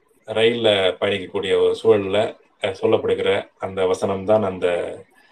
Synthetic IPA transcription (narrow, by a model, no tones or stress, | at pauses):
ɾɐɪlɐpɐɳɪkːɐkːuːɽɪjɐɔɾɯsuɐɭlɐ | sɔlːɐpːɐɽɯkːɪɾɐɐnd̪ɐʋɐsɐnɐmt̪ãːnɐnd̪ɐ